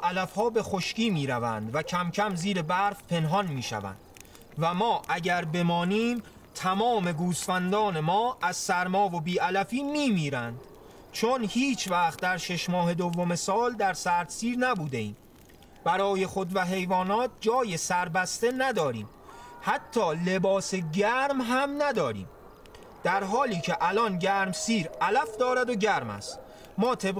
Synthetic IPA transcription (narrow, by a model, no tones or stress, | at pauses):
ʔælæfhɒːbe̞xo̞ʃciːmiːɾævæ̰nd̪væcʰæmcʰæmziːɾebæɾfpʰe̞nɦɒnmiːʃæ̰væ̰nd̪ | væmɒːʔæɟæɾbe̞mɒːniːm | t̪ʰæmɒːme̞ɡuːsfænd̪ɒːne̞mɒːæz̥sæɾmɒːvo̞biːælæfiːmiːmiːɾænd̪̥ | t͡ʃʰonhiːt͡ʃʰvæχt̪̚d̪æɾʃe̞ʃmɒːhe̞d̪ovːome̞sɒːld̪æɾsæɾt̪siːɾnæbuːd̪e̞iːm | b̥æɾɒːje̞xo̞d̪væɦe̞jvɒːnɒːt̪̚d͡ʒɒːjesæɾbæst̪e̞næd̪ɒːɾḭːm | hæt̪ʰːɒːle̞bɒːseɟæɾmɦæmnæd̪ɒːɾḭːm | d̪̥æɾɦɒːliːcʰe̞ʔælɒnɟæːɾmsiːɾælæfd̪ɒːɾæd̪oɟæɾmæ̰st̪ | mɒːt̪ʰe̞b